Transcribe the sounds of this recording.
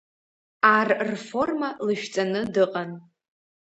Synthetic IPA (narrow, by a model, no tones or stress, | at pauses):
arrfo̞rmalɨʃᶣt͡sʼanɨdɨqʼan